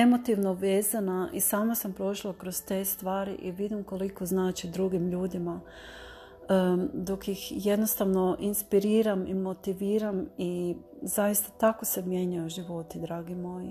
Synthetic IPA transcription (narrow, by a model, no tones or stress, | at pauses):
e̞mo̞t̪iʋno̞ʋe̞ːzanaʔisaːmasampɾo̞ʃlˠakɾozt̪e̞ːst̪ʋaːɾḭʔiʋid̪imko̞likoznaːt͡ʃid̪ɾuɡimʎuːd̪ima | d̪o̞kjixje̞d̪no̞st̪aʋno̞ʔinspiɾiːɾamimo̞t̪iʋiːɾami | zajist̪at̪ako̞se̞mje̞ɲajoʒiʋo̞t̪id̪ɾaːɡimoːji